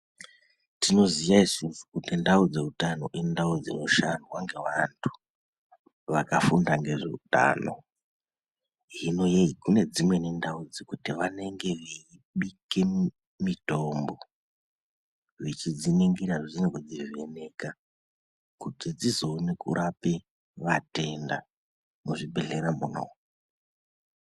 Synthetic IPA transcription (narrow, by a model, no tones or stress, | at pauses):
tino̞zijaisinsukutindaud͡ze̞utano̞̰ʔindaud͡zino̞ʃanwaŋɡe̞ʋantʰu̥ | ʋakafundaŋɡe̞ʐe̞̰ṵta̰ːno̞̰ | ɦino̞jeikune̞d͡zimwe̞nendaud͡zikutiʋane̞ŋɡe̞ʋeiɓike̞ | mito̞mbo̞ | ʐit͡ʃid͡zineŋɡiɾaʐizinekod͡ziʋene̞ka | kutid͡zizo̞nekṵɾʔape | ʋate̞nda | muʐiɓeɮeɾamuno̰